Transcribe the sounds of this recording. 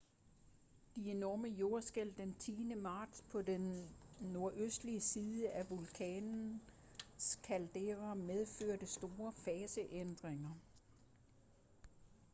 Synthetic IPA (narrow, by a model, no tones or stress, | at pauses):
d̥ie̝nɒːməjo̝ɐsɡ̥el̰d̥ent͡sʰiːnəmɑ̈ːd̥spʰɒ̽denːo̝ɐ̰ʔøsd̥liəsiːðˠəʔæʋulkʰɛːnn̩ | skʰæld̥eʁɐmeð̞ˠføɐ̰d̥əsd̥o̝ːɐfɛːsəʔend̥ʁeŋɐ